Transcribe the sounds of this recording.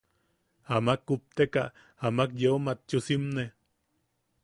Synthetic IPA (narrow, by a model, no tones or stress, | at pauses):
amakːup̚t̪eka | amakjeomat̪t͡ʃusimne